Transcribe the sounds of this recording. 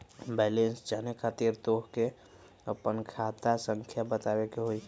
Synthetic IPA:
bɛːlensd͡ʒaːnekʰaːt̪iːɾt̪oːɦke | əpənkʰaːt̪asə̃ŋkʰjabət̪aːwekeɦoi

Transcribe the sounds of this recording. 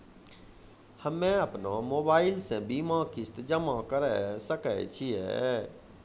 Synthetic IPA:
həmːẽəpnamoːbaːɪlsẽbiːmakɪst̪d͡ʒəmakəɾɛsəkə̰t͡ʃʰiɛ̰

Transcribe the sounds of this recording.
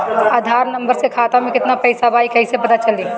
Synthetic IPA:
aːd̪ʱaːɾnɐ̃mbəɾsekʰaːt̪amẽkɪt̪napɐɪsabaːikɐɪsepɐt̪at͡ʃɐli

